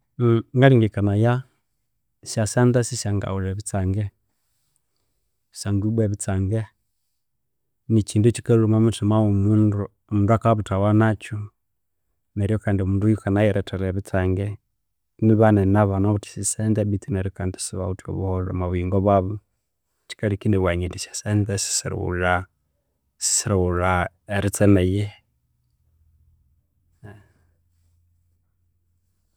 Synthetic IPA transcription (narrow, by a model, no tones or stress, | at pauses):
ŋɡaɾiŋɡikanaja | ʃjasɛndasiʃjaŋɡa̰uɾɛβit͡saŋɡɛ | saŋɡubɛβit͡saŋɡɛ | nit͡ʃindut͡ʃikɛlumamutumaumundu | ɔmunduakaβutawanat͡ʃu | nɛɾijɔkandiɔmundujukanajɛɾɛtʰɛlɛβit͡saŋɡɛ | niβanɛnaβanaβutʰi̥sisɛndɛbitinɛɾikandi̥siβautiɔ̰βɔhɔɾamaβwiŋɡɔβaβɔ | ti̥kalikindɛwaɲɛdisḁsɛnd͡zɛsi̥siɾ̰ṵla | si̥siɾɔuɾa | ɛɾit͡sɛnɛjɛ